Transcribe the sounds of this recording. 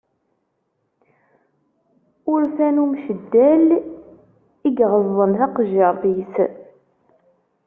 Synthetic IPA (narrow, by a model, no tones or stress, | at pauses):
ʊɾθænumʃəd̪ːæl | iɡʁəzðˤənθɑqʒɑɾvis